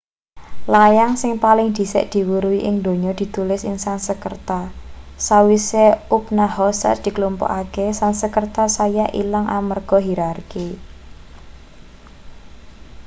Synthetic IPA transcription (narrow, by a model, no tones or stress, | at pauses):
lajaŋsɪŋpalɪŋd̪̥i̤sɛ̰ʔd̪̥i̤wuɾuwiʔɪŋd̪o̤ɲɔd̪̥i̤t̪ulɪsɪŋsansəkərt̪asawiseupnahɔsa̰d̪̥i̤klumpɔ̰ʔakesansəkərt̪asajaʔilaŋʔamərɡ̥ɔ̤ɦiɾarki